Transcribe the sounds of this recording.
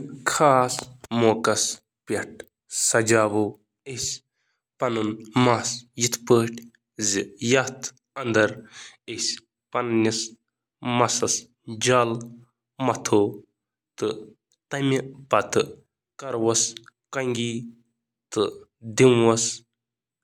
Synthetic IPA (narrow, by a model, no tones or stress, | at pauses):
kʰaːsmoːkɐs | pʲeʈ̚ʰ | sɐd͡ʒaːʋo | esʲ | pɐnunmasjit̪ʰpəːʈʰ | zijɐt̪ʰ | ɐnd̪ɐɾesʲ | pɐnnis | mɐsɐs | d͡ʒaːl | mɐt̪ʰoː | t̪ɨ | t̪ɐmipɐt̪ɨ | kɐɾwɐskɐŋɡiː | t̪ɨd̪imwɐs